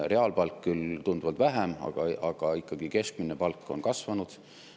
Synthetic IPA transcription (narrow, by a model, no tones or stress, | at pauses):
re̞ɑːlpɑlkːylt̪und̪uvɑlt̪væɦemɑ̰ɡ̥ɑɑɡ̥ɑikːˑɑɡ̥ike̞sk̚minepɑlkːˑo̞nkɑsvɑnud̪̥